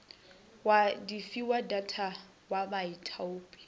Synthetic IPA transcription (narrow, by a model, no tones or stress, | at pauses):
wadifiwadatʰa | wamaitʼʰauːpʼi̥